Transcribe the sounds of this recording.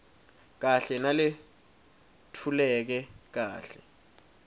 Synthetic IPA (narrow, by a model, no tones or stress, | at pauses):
k̬aɬɛnalɪ | tʰulɛk̬ɛk̬aːɬɛ